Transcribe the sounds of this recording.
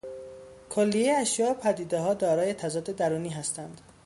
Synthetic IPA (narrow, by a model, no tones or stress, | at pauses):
kʰolːijejeæʃjɒːopʰæd̪iːd̪eɦɒːd̪ɒːɾɒːjet̪ʰæzɒːd̪e̞d̪æɾuːniːɦæst̪ʰænd̪̥